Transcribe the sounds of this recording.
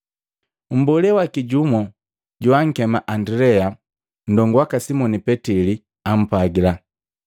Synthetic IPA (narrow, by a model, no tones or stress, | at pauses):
m̩bɔlɛwakiɟumɔ | ɟuwaŋ̩kɛmaʔandilɛa | n̩dɔŋɡwakasimɔnipɛtili | am̩paɡila